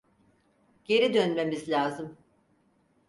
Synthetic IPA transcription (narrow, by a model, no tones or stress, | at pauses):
ɟ̥e̞ɾid̪ønme̞mizlʲaːzɯm